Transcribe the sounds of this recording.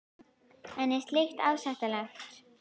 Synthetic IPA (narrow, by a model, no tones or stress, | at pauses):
ɛnɛst̪lext̪aːwsɛht̪alɛx